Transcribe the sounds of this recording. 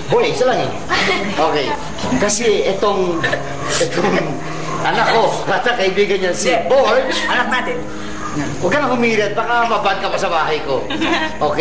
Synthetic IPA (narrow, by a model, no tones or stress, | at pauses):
bojsɐlaŋɛ | ʔoːkɛj | kɐsɛʔɛt̪oŋ | ʔɛt̪oŋ | ʔɐnakːoɾat̪akɐibiːɡɐnɲansiboɹɐnak̚nat̪ɛ | wɐɡanɐkomiːɾt̪̚bakamɐbad̪̚kɐpasɐbaːɦɐjko | ʔokɛ